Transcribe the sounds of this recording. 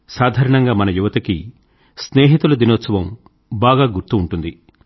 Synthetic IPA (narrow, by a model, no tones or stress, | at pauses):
saːd̪ʱaːɾɐɳɐŋɡaːmɐnɐjuʋɐt̪ɐki | sneːɦit̪ulɐd̪inoːt̪sɐʋɐm | baːɡaːɡuɾt̪uːɳʈund̪i